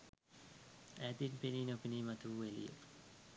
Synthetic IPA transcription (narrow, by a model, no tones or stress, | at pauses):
æːt̪inpeniːnopiniːmat̪uʋuʋelḭjə̰